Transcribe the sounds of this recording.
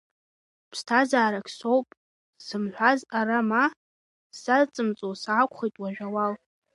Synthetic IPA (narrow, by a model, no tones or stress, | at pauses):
pʰstʰazaːɾakʲʰsowpʼ | sɨmħʷazaɾama | sat͡sʼɨmt͡sʼosaːkʷʰʼχijtʼwaʒᶣawal